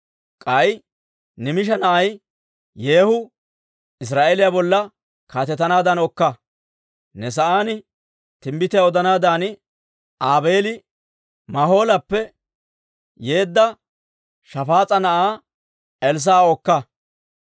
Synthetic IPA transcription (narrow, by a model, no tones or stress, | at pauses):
kʼɐj | nɪmɪʃɐnɐʔɐj | je̞ːhʊ | ɪs̬ɾaːʔelɪjaːbɔlːɐ | kaːt̪ɛt̪ːɐnaːd̪ɐnɔkːɐ | nɛs̬ɐʔaːnɪ | t̪ɪmbɪt̪ɪjaɔd̪ɐnaːd̪aːnɪ | ʔaːbeːlɪ | mɐɦo̞ːlɐpːɛ | je̞ːd̪ːɐ | ʃɐfaːt͡sʼɐnɐʔaː | ɛls̬aːɔkːɐ